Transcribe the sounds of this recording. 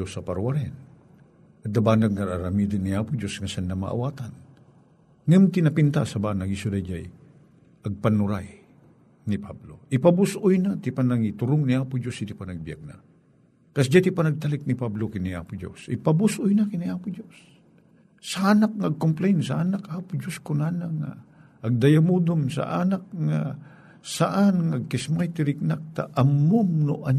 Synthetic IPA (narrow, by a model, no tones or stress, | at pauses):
osɐpaɾwaɾɪn | ɐd̪ɐbaːnaɡ̚ŋɐɾaɾamiːd̪ɪnːiaːpʊd͡ʒosŋɐsanːama̰ʔa̰waːt̪an | ŋamt̪ɪnɐpɪnt̪asɐbanɐɡɪsʊd̪ajd͡ʒaj | ʔɐɡ̚pɐnʊɾaj | nipʰablo̰ʔɪpabʊsʔʊjnat̪ɪpɐnɐŋit̪ʊɾʊŋnɪaːpʊd͡ʒosɪt̪ɪpanɐɡ̚bija̰ɡ̚na̰ | kɐsd͡ʒat̪ɪpanɐɡ̚t̪alɪk̚nipablokɪnia̰pʊd͡ʒo̰sɪpabʊsʔʊjnakɪnɪaːpʊd͡ʒosː | aaːnak̚ŋaːɡ̚kʊmplɛjnsɐʔanakaːpʊd͡ʒoskʊnaːnaŋa̰ː | ɡ̚d̪ɐjamud̪omsa̰ʔanak̚ŋa | saʔanŋaɡ̚kɪsmajt̪ɪɾɪk̚nak̚t̪aʔɐmʊmnʊ̰ʔa